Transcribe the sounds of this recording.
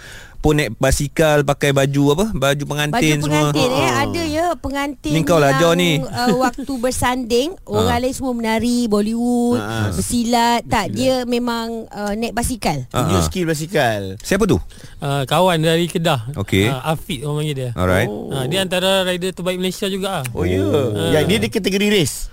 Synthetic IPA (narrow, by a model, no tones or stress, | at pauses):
pʊnːɛt̪̚basikalpakajbad͡ʒuapəbad͡ʒupəŋantbad͡ʒ̪ɪunspəŋmuaət̪ɪnɛadəjəpəŋant̪ɪniŋkawlad͡ʒanĩəwak̚t̪ubərsandɪŋ | oɾaŋlaisəmuəmənaɾiboliwut̪̚bəsilat̪̚aʔ̚diəmẽmaŋənɛt̪̚basikal̰diəskilbas̬ikalsap̬ət̪ṵ | ʔəkawandaɾikədaho̰keəafit̪̚amaŋit̪ɔ̰ɾa̰jt̚ədiəant̪aɾaɾaidət̪əbaik̚məlasiad͡ʒuɡaho̰jəəjadiədəkat̪əɡoɾiɾɪs